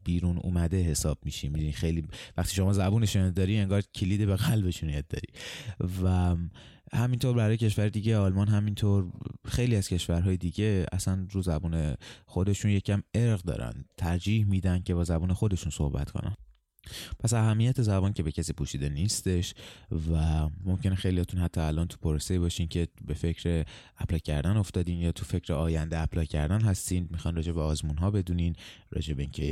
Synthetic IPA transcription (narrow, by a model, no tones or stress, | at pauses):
b̥iːɾuːnṵːmæd̪e̞ɦe̞sɒːb̥miʃimid̪inixejliːvæχt̪iːʃo̞mɒːzæbuːneʃd̪ɒːɾie̞ŋɡɒːɾcʰeliːd̪ebeɣælbe̞ʃunjɛd̪̚ːɒ̰ɾḭvæ | hæmint̪ʰoɾbæɾɒːjecʲʰe̞ʃvæɾed̪iɟeɒːlmɒːnɦæmint̪ʰoɾxe̞jliːæz̥cʰe̞ʃvæɾɦɒːjed̪iːɟe̞æ̰sænɾuːzæbuːne̞xo̞d̪e̞ʃunje̞cʰæme̞ɾɣd̪ɒ̰ːɾæ̰nd̪t̪ʰæɾd͡ʒiːhmiːd̪ænd̪̚cʰeβɒːzæbuːnexo̞d̪e̞ʃunso̞̰hbæ̰t̪ko̞̰næ̰n | pʰæsæɦæmːijæt̪ʰe̞zæbɔːnce̞be̞cʰæsiːpʰuːʃiːd̪e̞niːst̪e̞ʃvæmo̞mcʰe̞nexe̞jlihɒt̪ʰunhæt̪ʰːɒælʔɒnt̪ʰu̥pʰoɾoseibɒːʃiːncʰe̞be̞fe̞cʰɾe | æplɒːcʰæɾd̪æno̞ft̪ɒːd̪iːnjɒːt̪ʰufe̞cʰɾeɒːjænd̪eæplɒːcʰæɾd̪ænɦæst̪iːnd̪mixɒjnɾɒːd͡ʒe̞beɒːzmuːnɦɒːbe̞d̪uːniːn | ɾɒ̰ːd͡ʒe̞beiːŋcʰe